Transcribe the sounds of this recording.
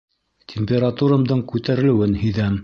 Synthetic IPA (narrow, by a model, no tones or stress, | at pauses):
t̪ʲʰemʲpʲeɾat̪uɾamd̪ɤɴkʉt̪æɾɘ̆lɘ̆wɘnhɵ̆jðæm